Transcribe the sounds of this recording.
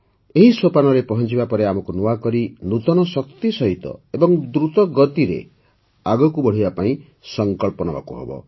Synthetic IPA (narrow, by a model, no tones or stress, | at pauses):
eɦisopanɔɾepɔɦɔnt͡ʃibapɔɾeamɔkunuwakɔɾinut̪ɔnɔsɔkt̪isɔɦit̪ɔ̰ebɔŋd̪ɾut̪ɔɡɔt̪iɾḛ | aɡɔkubɔɽ̤ibapaĩ | sɔŋkɔɭpɔnɔba̰kuɦɔ̰bɔ̰